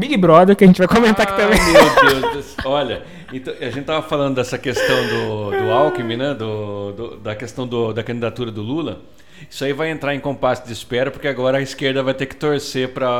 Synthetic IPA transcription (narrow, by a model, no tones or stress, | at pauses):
biɡɪbɾɔd̪eɾkɪɐʒẽnt͡ʃɪvajkõmẽnt̪akɪ̥t̪ɐ̃mẽmewd̪ewzd̪esɔʎɐ | ẽt̪ɐ̃w̃aʒẽt̪t͡ʃɪt̪avɐfalˠɐ̃nd̪ʊd̪ɛsɐkest̪ɐ̃w̃d̪ʊd̪ʊawkɪmɪnɛ̃d̪ʊd̪ʊd̪ɐkest̪ɐ̃w̃d̪ʊd̪ɐkɐ̃d͡ʒɪid̪at̪uɾɐd̪ʊlulɐ | i̥sʊaivajẽnt̪ɾaɾẽkõpasɪd͡ʒ̪ɪispɛɾɐpoɾkeaɡɔɾɐːiskeɾd̪ɐvajt̪ekɪ̥t̪oɾsepɾɐ